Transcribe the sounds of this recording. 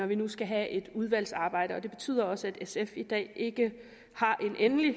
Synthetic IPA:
ɒʋinusɡ̥æɦæʔe̝d̥uð̞ˠʋæl̰sɑ̈ːb̥ɑ̈ɪ̰ɾəɒ̽d̥e̝b̥e̝t͡sʰy̰ð̰ˠɐɒ̽səæd̥esefid̥ɛ̰ːʔe̝ɡ̥ə | hɑ̈ʔe̝nʔenli

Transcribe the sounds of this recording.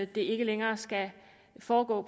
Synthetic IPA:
æd̥e̝e̝ɡ̥əleŋɐːsɡ̥æ | fɒːɡ̥ɔ̰ːpʰ

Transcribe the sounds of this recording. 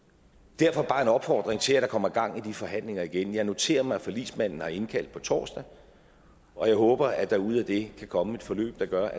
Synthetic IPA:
d̥æɐfɒ̽b̥ɑ̈ːe̝nɒ̽b̥fɒ̰ːd̥ʁeŋt͡sʰe̝læd̥ɑ̈kʰɒ̽m̰ɐɡ̥ɑ̈ŋ̰id̥ifɒ̽ɦæn̰le̝ŋɐiɡ̥enjɑ̈ɪno̝t͡sʰe̝̰ːɐmɑ̈ɪfɒlḭːsmæn̰n̩hɑ̈e̝nkʰæl̰d̥̚pʰɒ̽t͡sʰɒ̰ːsd̥æ | ɒ̽jɑ̈ɪɦɔ̽ːb̥ɐæd̥ɑ̈uð̞̰ˠæd̥e̝kʰækʰɒ̽məe̝d̥fɒ̽lø̰ːb̥̚d̥ɑ̈ɡ̥ɶɐ

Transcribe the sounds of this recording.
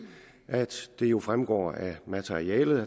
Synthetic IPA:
ʔæd̥d̥e̝jo̝fʁamɡ̥ɒ̰ːæmæt͡sʰeiɛːlð̩ˠæ

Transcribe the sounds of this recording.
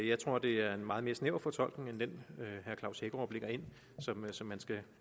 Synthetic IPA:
jɑ̈ɪt͡sʰʁo̝ɐ̰d̥e̝æɐe̝nmɑ̈ːð̞̩ˠme̝ɐsneʊ̰fɒ̽t͡sʰɒ̽l̰ɡ̥ne̝ŋend̥enøhæɐkʰlɑ̈ʊsheɡəɒʊb̥le̝ɡ̥ɐe̝n̰ | sɒ̽msɒ̽mːænsɡ̥æ

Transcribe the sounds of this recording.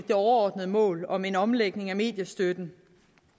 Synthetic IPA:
d̥e̝ɒɐɒːd̥nəð̞̩ˠəmɔ̰̽ːlɒ̽me̝nɒ̽mleɡ̥ne̝ŋæme̝̰ːd̥jɐsd̥ød̥n̩

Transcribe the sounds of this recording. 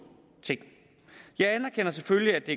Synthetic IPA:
t͡sʰe̝ŋ̰ | jɑ̈ɪænɐkʰenɐsefølliæd̥e̝

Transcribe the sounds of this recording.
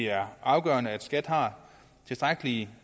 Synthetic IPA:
æɐʔɑ̈ʊɡ̥ɶ̰ːɐnəæd̥sɡ̥æd̥hɑ̈ː | t͡sʰe̝sd̥ʁaɡ̥əli

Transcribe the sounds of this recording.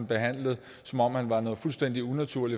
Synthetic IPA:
nb̥e̝ɦæn̰ləð̞̩ˠ | sɒ̽mɒ̽mhænʋɑ̈nɔ̽ːð̩ˠfulsd̥en̰d̥iunæt͡sʰuɐ̰li

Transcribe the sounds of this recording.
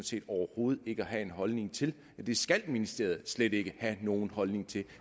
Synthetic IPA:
t͡sʰe̝̰ːd̥ɒʊɐho̝ːð̞̩ˠe̝ɡ̥əɒɦæe̝nɦɒ̽lne̝ŋt͡sʰe̝l | d̥e̝sɡ̥ælminisd̥e̝̰ɐð̞̩ˠsled̥e̝ɡ̥əhæno̝ːn̩hɒ̽lne̝ŋt͡sʰe̝l

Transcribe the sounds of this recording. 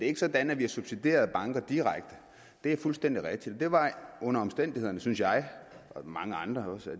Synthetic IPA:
d̥e̝e̝ɡ̥əsɒ̽d̥ænæʋiæsub̥sid̥e̝̰ːɐðˠb̥ɑ̈ŋɡ̥ɐd̥iʁaɡ̥̚d̥ə | d̥e̝æfulsd̥en̰d̥iʁɛɡ̥̚d̥id̥ɒ̽d̥e̝ʋɑ̈ɔ̽nɐɒ̽msd̥en̰d̥ihe̝ð̞̰ˠɐnəsynsjɑ̈ɪʔɒ̽mɑ̈ŋəɑ̈nd̥ʁɐɒ̽sæ

